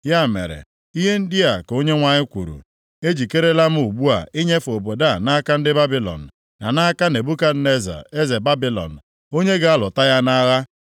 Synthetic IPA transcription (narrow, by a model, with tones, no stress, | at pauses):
ja˦˨mḛ˨ɾḛ˨ | i˦ɦe˦n̩˦dɪ˦a˨ko˦ɲe˦ŋʷa˨ɲɪ˦kʷṵ˨ɾṵ˨ | e˦d͡ʒi˨ke˦ɾe˦la˦m̩˦u˨ɡ͡bu˦a̰˨i˦ɲe˦fo˨bo˨da˦˨na˦ka˦n̩˦dɪ˦ba˦bi˦lɔ̰˨n̩˨ | na̰˨na˦ka˦ne˨bu˦ka˦dne˦za̰˨e˦ze˨ba˦bi˨lɔ̰˨n̩˨ | o˦ɲe˦ɡa˨a˦lʊ˨ta˦ja˦na˦ɣa˦